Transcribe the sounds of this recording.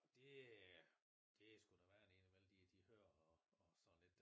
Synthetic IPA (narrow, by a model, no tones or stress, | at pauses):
ɒd̥e̝ | d̥e̝sɡ̥ud̥æʋæːɐene̝nəʋeld̥id̥ihøɐ̰ɒɒsɒnnle̝d̥